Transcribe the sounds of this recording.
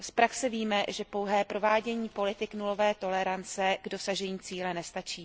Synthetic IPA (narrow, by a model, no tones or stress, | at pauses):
spɾaksɛviːmɛʒɛpo̞wɦɛːpɾo̞vaːɟɛɲiːpo̞lɪt̪ɪknulo̞vɛːt̪o̞lɛɾant͡sɛɡdo̞saʒɛɲiːt͡siːlɛnɛst̪at͡ʃiː